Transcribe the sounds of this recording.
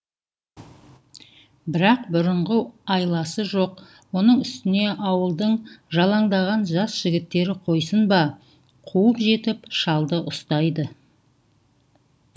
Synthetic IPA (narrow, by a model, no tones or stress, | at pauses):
bɪɾɑqbʊɾəɴʁəɑjlˠɑsəʒo̞q | wo̞nəɴʏst̪ɪne̞ʔɑwəlˠd̪əɴʒɑlˠɑɴd̪ɑʁɑnʒɑsʒ̥ɪɡʲɪt̪ːe̞ɾɪqʰo̞jsənbɑ | qʰuəpʒe̞t̪ɪpʃɑlˠd̪əʔʊst̪ɑjd̪ə